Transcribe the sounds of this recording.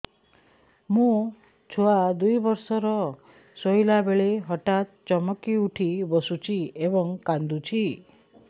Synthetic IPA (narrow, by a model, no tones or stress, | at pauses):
mũ | t͡ʃʰoad̪ujbɔɾsɔɾɔ | sojlabeɭeɦɔʈat̪̚t͡ʃɔmɔkiuʈʰibɔsut͡ʃʰiebɔŋkand̪ut͡ʃʰi